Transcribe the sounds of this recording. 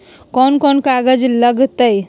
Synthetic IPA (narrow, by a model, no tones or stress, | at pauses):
kɔnkɔnkaɡad͡ʒilːaɡət̪aj